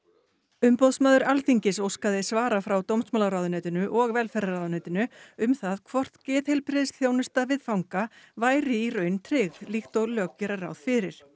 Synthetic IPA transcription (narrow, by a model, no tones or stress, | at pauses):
ʏmpɔwðsmaːðʏɾalθiɲcɪsowskaðɪsvaːɾafɾawt̪owmsmaːlaɾawðʏnœːt̪ɪnʏʔɔɣvɛlfɛɾaɾawðʏnœːt̪ɪnʏʏmθaðkʰvɔr̥t̪cɛːt̪hejlpɾɪðɪsθjoːwnʏst̪avɪðfawŋkavaːjɾɪirœɥnt̪ʰɾɪːɣlixt̪ɔɣlœːkcɛɾara̰wðfɪɾɪɾ̥